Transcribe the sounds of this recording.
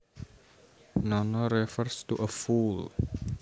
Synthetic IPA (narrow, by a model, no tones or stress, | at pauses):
nɔnɔɾɛfərst̪uʔəful